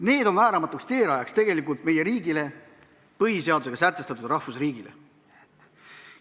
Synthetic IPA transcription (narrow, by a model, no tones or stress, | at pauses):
ne̞ːd̪o̞nvæːɾɑmɑt̪ːˑukst̪e̞ːɾɑjɑkst̪e̞ɡe̞likult̪̚me̞jeɾiːɡile̞ | pɤɦise̞ɑd̪use̞ɡɑsæt̪ːˑe̞st̪ɑt̪ːˑud̪rɑhfusriːɡilḛ